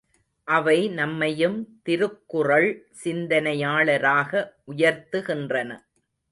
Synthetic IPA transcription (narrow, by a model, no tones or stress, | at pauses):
ʔɐʋɐɪnɐmːɐjɯmt̪ɪɾɯkːɯrɐɭ | sɪnd̪ɐnɐjaːɭɐɾaːɣɐʔʊjɐɾt̪ɯɣɪndrɐnɐ